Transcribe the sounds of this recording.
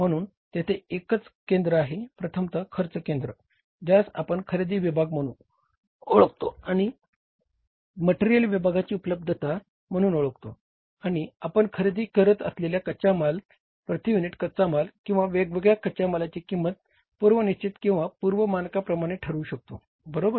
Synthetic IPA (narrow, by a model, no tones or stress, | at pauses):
m̤əɽ̃uːn | t̪jet̪ʰeekət͡skend̪ɾəaɦepɾət̪ʰəmt̪əkʰəɾt͡səkend̪ɾə | d͡ʑasa̰pəɳkʰəɾed̪iːʋibʱaɡ̚məu | oɭəkt̪oaɽ̃i | məʈeɾijəlʋibʱaɡat͡ɕiːupələb̚d̪ʱət̪a | m̤əɽ̃uːnoɭəkt̪o | aɽ̃iapəɳkʰəɾed̪iːkəɾət̪ə̰sleljakət͡ɕamal | pɾət̪ijuniʈkət̪̚t͡samalkĩw̃ʋaʋeɡʋəɡɭjakət͡ɕamalat͡ɕikimːət̪̚ | puɾʋəniɕt͡ɕit̪kĩw̃ʋapuɾʋəmankapɾəmaɽ̃eʈʰəɾuːɕək̚t̪o̰ | bəɾobəɾ